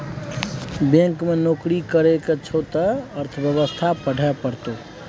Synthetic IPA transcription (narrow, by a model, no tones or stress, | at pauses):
bẽŋkmenoːkɾikəɾeket͡ʃʰoːt̪aəɾt̪ʰəbjəβəst̪ʰapəɽʱɛpəɾt̪o